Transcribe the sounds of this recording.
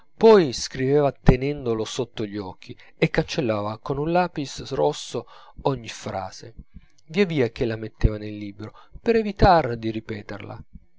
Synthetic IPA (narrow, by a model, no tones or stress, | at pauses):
pɔjskɾiveːvat̪enɛnd̪olosot̪ːoʎːiɔkʰːi | ekːant͡ʃelːaːvakonunlaːpisrɔsːo | ɔɲːifɾa̰ːze | viaviːak̟elamet̪ːeːvanelːiːbɾopeɾɛvit̪aɾd̪iripɛːt̪erlʔa̰